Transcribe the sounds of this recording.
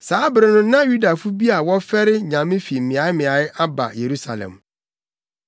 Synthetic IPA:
saː˨˦bɪ˨ɾɪ̃˦nʊ̃˦nã˦ju˦da˨fu˦bi˦a˨wɔ˦fɛ˦ɾɪ˦ɲã˨mɪ̃˦fi˨m̩˨mɪ̃˨a˨˦ɪ˦mɪ̃˨a˨˦jɪ˦a˦ba̰˨je˨ɾu˦sa˨lɛ̰̃˨m

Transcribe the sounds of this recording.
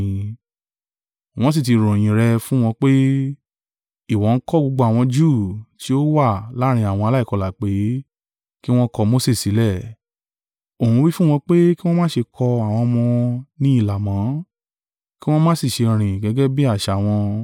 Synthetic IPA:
w̃ɔ̃˧˦s̬i˦˨ti˨˧ɾõ˨j̃ĩ˨ɾɛ˧fũ˦w̃ɔ̃˧k͡pe˦ | i˨wɔ̃˨˦n̩˦kɔ˦ɡ͡bo˧ɡ͡bo˧˦a˨w̃ɔ̃˧d͡ʒu˦˨ti˨˦o˦wa˦˨la˨˦ɾ̃ĩ˧a˨wɔ̃˧a˧la˦i˦˨kɔ˨˧la˨k͡pe˨˦ | ki˦w̃ɔ̃˦kɔ˧mo˦se˦˨si˨˦lɛ˦˨ | o˨ũ˨˧wi˦fũ˦w̃ɔ̃˧k͡pe˦ki˦w̃ɔ̃˦mãː˦ʃe˧kʰɔ˧a˨w̃ɔ̃˧mɔ̃˧nĩ˦i˦˨la˨mã˨˦ | ki˦w̃ɔ̃˦mãː˦si˦˨ʃe˧ɾ̃ĩ˨ɡɛ˨˦ɡɛ˦bi˦a˦˨ʃa˨w̃ɔ̃˧

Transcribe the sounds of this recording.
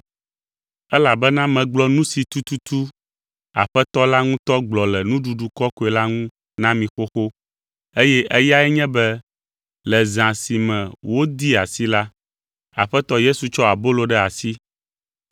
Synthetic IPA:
ɛ˦la˨bɛ˦nã˦mɛ̃˨ɡ͡blɔ˦nũ˦si˨t̪u˦t̪u˦t̪u˦ | a̰˨ɸɛ˦t̪ɔ˦la˦ŋũ˦t̪ɔ˦ɡ͡blɔ˨lɛ˨nũ˦ɖu˨ɖu˨kɔ˦ko˦ɛ˨la˦ŋũ˦ | nã˦mĩ˨xo˦xo˦ | e˦jɛ˦ʔɛ˦ja˦ɛ˦ɲɛ̃˦bɛ˦ | lɛ˨zã˨si˨mɛ̃˨wo˦d̪i˦a˨si˦la˦ | a̰˨ɸɛ˦t̪ɔ˦je˦su˨t͡ʃɔ˦a˨bo˦lo˦ɖɛ˦a˨si˦

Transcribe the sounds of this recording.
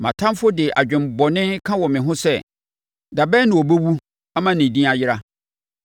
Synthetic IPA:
mã̰˨tʰã˦mfʊ˦dɪ˨ʔa̰˨d͡ʑᶣɪ̃˨m˨bɔ˨nɪ̃˦kʰã˦wɔ˨mɪ̃˨ɦʊ̃˦sɛ˦ | da˨bɛː˦nɪ̃˨wɔ˨bɛ˦wu˦ | a˦mã˦nɪ̃˨dĩ˦a˨jɪ˦ɾa˦

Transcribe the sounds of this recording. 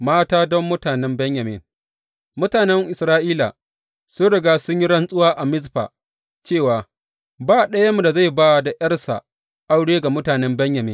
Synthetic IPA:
maː˦taː˦dɔ˦mːʊ˦taː˨nɛ˦mbɛ˦ɲja˨mɪ̰˦˨n | mʊ˦taː˨nɛ˦ŋʔɪ˨sɾaː˦ʔiː˦la̰˨ | sʊ˦nɽɪ˨ɡaː˦sʊ˦ɲji˦ɽɐ˦nsʼʊ˦waː˦ʔa˨mɪ˦zɸa̰ː˨ | t͡ʃeː˦˨waː˨ | baː˦˨ɗɐ˦jɐ˦mu˨da˨za˦˨jba˦˨da˨jɐ˦rsa̰˨ | ʔa˦wɽeː˦ɡa˨mʊ˦taː˨nɛ˦mbɛ˦ɲja˨mɪ̰˦n

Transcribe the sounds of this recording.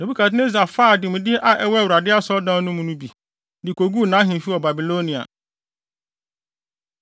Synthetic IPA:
no˨bu˦kʰa˨t̬ɪ˦n˦e˦za˨faː˦˨dɪ˨mʊ̃˨dɪ˦ʔa˨ʔɛ˦wɛ˦˨wu˨ɾa˨dɪ˦a˦sɔ˦dãː˦nʊ̃˦mũ˦nũ˦bi˨ | dɪ˨kʰo˨ɡu˦˨nã˨˦ɦĩ˨fi˦wɔ˨ba˨bi˨lo˦nĩ˨a̰˨

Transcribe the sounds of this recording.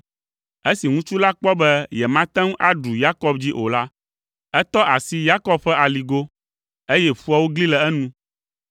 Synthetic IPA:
e˦si˨ŋũ˦t͡ʃu˦la˦k͡pɔ˦bɛ˦jɛ˨mã˦t̪ɛ̃˦ŋ˦ʔa˦ɖu˨ja˦kɔ˦b̚d͡ʑi˦ʔo˨la˦ | ɛ˦t̪ɔ˦ʔa˨si˦ja˦kɔ˦bɸɛ˦a˨li˨ɡo˦ | e˦jɛ˦fu˦a˨wo˦ɡli˦lɛ˨ɛ˦nũ˦

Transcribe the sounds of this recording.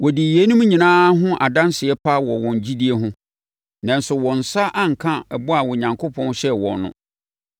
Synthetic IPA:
wɔ˨di˨je˦nũ˦m˦ɲĩ˨nãː˦ɦʊ̃˦ʔa˨dã˦nsɪ˨ɛ˦pʰa˦wɔ˨wɔ̃˨ɲ˨d͡ʑi˦di˦e˦ɦʊ̃˦ | nã˨n˦sʊ˨wɔ̃˨n̩˨sa˦ʔa˦ŋ̩˨kʰã˦ɛ˨bʊ˦a˨wɔ˨ɲã˨ŋkʰo˦pʰɔ̃˦n˦ɕɛ˦wɔ̰̃˨nːʊ̰̃˦˨

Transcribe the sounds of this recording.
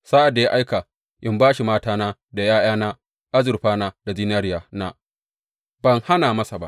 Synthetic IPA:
saː˦ʔa˨dːa˨ja˦ʔa˦jka˨ | ʔɪ˦mbaː˦ʃi˨maː˦taː˦na˦da˨jaː˦jaː˦na˦ | ʔa˦zɪ˨rɸaː˦na˦d̥a˨ziː˦naː˦ɾɪ˦ja˨na˦ | bɐ˨ŋha˦naː˨mɐ˦sa˨ba̰˦ʔ

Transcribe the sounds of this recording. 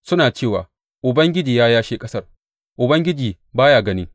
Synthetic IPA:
sʊ˦naː˨t͡ʃeː˦˨wa̰ː˨ | ʔʊ˨bɐ˦ŋɡʲɪ˦d͡ʒiː˨jaː˦jaː˦ʃeː˦kʼɐ˦sɐ˦r | ʔʊ˨bɐ˦ŋɡʲɪ˦d͡ʒiː˨ | baː˦jaː˨ɡɐ˦nɪ˦ŋ

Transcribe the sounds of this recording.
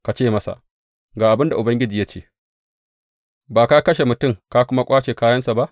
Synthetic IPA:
ka˨t͡ʃeː˦˨mɐ˦sa̰˨ʔ | ɡaː˨ʔa˨bɪ˦nda˨ʔʊ˨bɐ˦ŋɡʲɪ˦d͡ʒiː˨ja˦t͡ʃeː˦˨ | baː˨ka˦kɐ˦ʃe˨mʊ˨tʊ˦˨ŋka˦kʷʊ˦ma˦kʷʼaː˦t͡ʃeː˨kaː˦jɐ˦nsa˨ba˦ʔ

